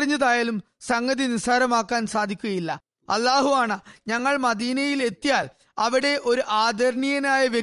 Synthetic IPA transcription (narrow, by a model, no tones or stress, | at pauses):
riɲːɐðaːjaːlum | sɐŋɡɐðinisaːɾɐmaːkːaːnsaːd̪ʱikʲːuɣɐjilːɐ̰ | ɐlːaːɦuaːɳɐɲɐŋːɐɭmɐd̪iːnɐjile̞t̪ːijaːl | ɐʋiɽe̞ʔo̞ɾuʔaːd̪ʱɐɾɳijɐnaːjɐʋje